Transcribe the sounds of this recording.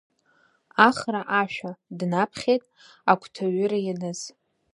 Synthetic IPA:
aχraʔaʃᶣadnapʰχʲejtʼ | akʷʰtʰaɥʏɾajanɨz̥

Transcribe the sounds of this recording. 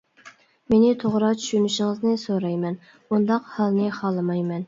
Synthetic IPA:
menɪt̪ʰoʁɾɑt͡ʃʰy̥ʃynyʃɪŋəznɪsoɾɑjmɛn | und̪ɑqhɑlˠnɨχɑlˠːɨmɑjmɛn

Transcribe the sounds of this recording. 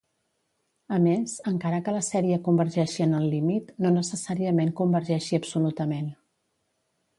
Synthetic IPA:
əmezəŋkaɾəkələsɛɾiəkumbəɾʒɛʃiənəlˠːimit̪nonəsəsaɾiəmeŋkumbəɾʒɛʃiəbsulut̪əmen

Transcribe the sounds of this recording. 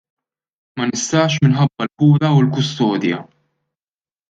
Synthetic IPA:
mɐnɪst̪ɐːʃmɪnħɐbːɐlpuːɾɐulkʊst̪ɔːd̪jɐ̰

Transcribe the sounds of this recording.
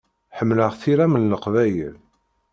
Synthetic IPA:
ħəmːləʁθiɾæmənːəqvæjəl

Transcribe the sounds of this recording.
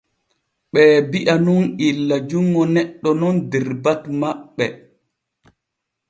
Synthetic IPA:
ɓɛːbiʔanunilːad͡ʒuŋːɡɔnɛɗːɔnɔndɛɾbatmaɓːɛ̰

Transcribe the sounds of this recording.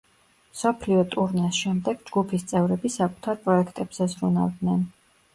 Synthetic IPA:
msɔpʰliɔt̪ʼuɾnɛsʃɛmd̪ɛɡ̥d͡ʒɡupʰist̪sʼɛvɾɛbisakʼu̥t̪ʰaɾpʼɾɔɛkʰt̪ʼɛbz̥ɛzɾuna̰vd̪nɛn

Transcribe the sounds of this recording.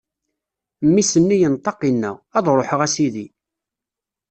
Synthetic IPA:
mːisənːijənt̪ˤːɑqinːæ̰ʁɑðˤɾˤoħəʁæsiði

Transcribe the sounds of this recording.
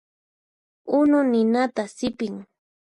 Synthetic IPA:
ʊnʊnɪnat̪asɪpɪŋ

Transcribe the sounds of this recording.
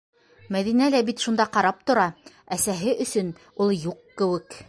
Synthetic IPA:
mæðinælæbit̪ʃund̪ɑqɑɾɑp̚t̪ŏɾɑ | æsæɦɘʔɵ̆sɵn | ulˠjuqːɘ̆wɘk

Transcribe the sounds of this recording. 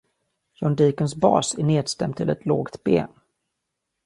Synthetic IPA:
jɔnd̪iːkənsbɑ̰ːsæɳeːd̪st̪ɛmt̪ʰːɪlɛ̰t̪ʰloːɡt̪bḛːn

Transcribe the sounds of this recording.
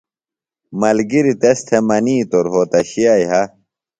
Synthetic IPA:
mɐlɡiɾit̪est̪ʰemɐniːt̪oɾɦoːt̪ɐɕiajɦɐ

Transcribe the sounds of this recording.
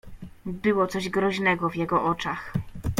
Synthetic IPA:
bɘwɔt̪sɔʑɡɾɔʑnɛɡɔvjɛɡɔʔɔt͡ʂax

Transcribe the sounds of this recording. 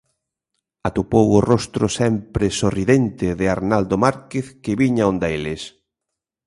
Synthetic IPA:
at̪upowʊrost̪ɾosɛmpɾɪsoriðent̪ɪðɪaɾnald̪omaɾkeθkɪβiɲaõnd̪aelɪs

